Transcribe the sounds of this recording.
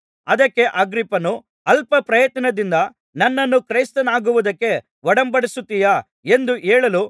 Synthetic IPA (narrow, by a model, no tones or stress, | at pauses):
ɐd̪ɐkːe̞ʔɐɡɾipːɐnu | ɐlpɐpɾɐjɐt̪ɐnɐd̪ind̪ɐ | nɐnːɐnːukɾɐjst̪ɐnaːɡuʋud̪ɐkːe̞ | ʋɔɽɐmbɐɽisut̪ːijɐ | e̞nd̪uʔɛːɭɐlu